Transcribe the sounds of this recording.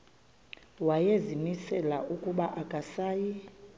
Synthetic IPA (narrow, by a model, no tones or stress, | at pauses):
wajezimisɛlaʔukʼuɓaʔakʼasaːji